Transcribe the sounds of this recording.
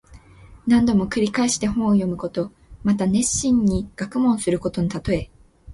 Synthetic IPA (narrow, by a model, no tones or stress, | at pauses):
nãnd̪o̞mo̞kɯ̟ɾʲikaeɕi̥t̪e̞hõ̞ɰ̃ojo̞mɯ̟ko̞t̪o̞ | mat̪ane̞ɕːĩɲ̟ːiɡ̥akɯ̟mõ̞ɰ̃sɨɾɯ̟ko̞t̪o̞ɲit̪at̪o̞e̞